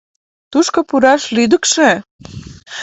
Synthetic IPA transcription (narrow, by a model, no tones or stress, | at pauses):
t̪uʃkŏpuɾɑʃlid̪ə̆kʃe